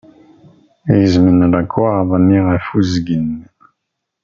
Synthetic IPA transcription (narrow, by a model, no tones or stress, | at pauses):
ezminalakʰwaʁavaniʁafuzɡin